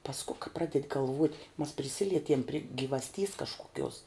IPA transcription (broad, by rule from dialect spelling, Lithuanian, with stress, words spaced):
pɐsˈkʊ kɐ ˈprɑːdʲɛtʲ ɡɐlˠˈʋuɔtʲ mɐs pʲrʲɪˈsʲɪlʲiɛtʲiɛm pʲrʲɪ ɡʲɪʋɐsʲˈtʲiːs kɐʃkʊˈkʲuɔs